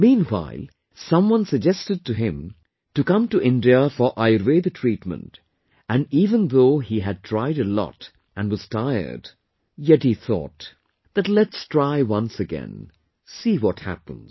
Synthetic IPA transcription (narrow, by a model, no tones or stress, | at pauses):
mĩːnwa̰ɪlˠ | sʌ̃mwʌ̃nsɨɡ̚d͡ʒɛstɨd̚tɨɪ̃m | tɨkʌ̃mtɨʔɪ̃ndiəfə˞ʔaɪɹweðɨtʰɹ̥itmə̰̃nt | ɨ̃niːvə̃nðoʊiɨd̚tʰɹ̥aɪɾɨlɔ̰t | ʔɨ̃nwʌz̥tʰaɪə̰˞d | jɛthiθɔ̰t̪ | ðɨtˡlɛtstʰɹ̥aɪwʌ̃nsɨɡɛ̰̃n | siwɔt̚hæ̰pə̰̃nz̥